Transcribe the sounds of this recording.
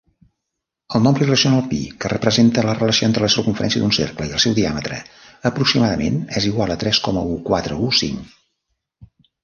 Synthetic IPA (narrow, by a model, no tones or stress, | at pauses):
əlˠnɔmplirəsionalˠpḭkərəpɾəzent̪ələrələsioent̪ɾələseɾkuɱfəɾɛ̰nsiəd̪unsḛrkləiəlˠsɛwðiamət̪ɾə̰əpɾuksimaðəmḛnɛziɣ̞walˠət̪ɾɛskɔməukwat̪ɾəusḭŋ